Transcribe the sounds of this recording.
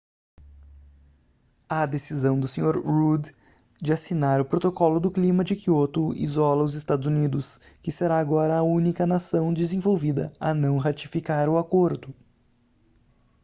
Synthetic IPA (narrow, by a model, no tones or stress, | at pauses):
ad̪esizɐ̃w̃d̪ʊsẽɲoɾʁud̪ | d͡ʒɪasinaɾʊpɾot̪okɔlʊd̪ʊklĩmɐd͡ʒɪkiot̪ʊḭzɔlɐʊzɪst̪ad̪ʊzunid̪ʊs | kɪseɾaːɡɔɾɐːũnikɐnasɐ̃w̃d͡ʒɪzẽvowvid̪ɐ̰ɐnɐ̃w̃ɦat͡ʃifikaɾʊakoɾd̪ʊ